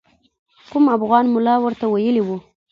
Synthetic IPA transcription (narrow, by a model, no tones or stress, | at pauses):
kʊmafɣɑnmʊlɑwəɾt̪awajəliwu